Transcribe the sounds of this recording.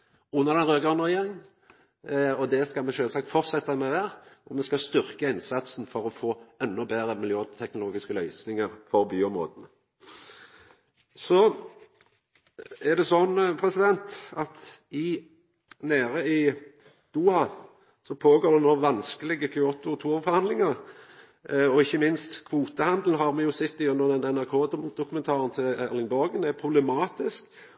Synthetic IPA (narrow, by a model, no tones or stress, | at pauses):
ʊnːəʁɾd̪ɛnʁøːɡɑnəʁɛjeːʁɪŋ | ɔd̪ɛskɑlmɛʃøːlsɑːk̚t̪fɔɾtsɛt̪ːɑmɛʋæːʁnɔɾmɛskɑst̪ʏɾkəɪnsɑt̪sn̩fɔɾɔfoːɛnːɔbeːʁəmɪljøːt̪ʰɛknʊloːɡɪskəlœʏsnɪŋəɾfɔɾbyːɔmʁo̰ːd̪n̩ | sɔ | æʁd̪ɛsɔnːpʰɾɛsɪd̪ɛnt̪ɑt̪ | ɪ | neːʁəɪ | d̪̥uːhɑ | sɔpʰoːɡoːʁd̪ɛnɔʋɑnskəlɪɡəkʰʏoːt̪ʊt̪ʰuːʁfɔɾʁhɑnd̪lɪŋəʁ | ɔɪçːəmɪnst̪kʰʋuːt̪əhɑnd̪l̩ɦɑʁmɛjʊsɛt̪ːɪʉnd̪əʁd̪ɛnɛnæʁkʰoːd̪ʊkʉmɛnt̪ʰɑːʁənt̪ʰɪlɛʁlɪŋbɔʁɡənæpʰɾʊblɛmɑːt̪ɪsk